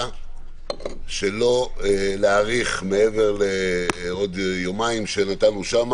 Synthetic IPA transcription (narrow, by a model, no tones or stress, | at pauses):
ʃe̞lo̞eleaʁiχmeeve̞ʁleo̞d̪jomaimʃe̞nat̪anuʃam